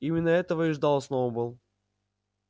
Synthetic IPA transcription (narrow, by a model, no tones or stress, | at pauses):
imʲɪnːəɛt̪əvəiʐd̪ɑlˠsnovəbɨlˠ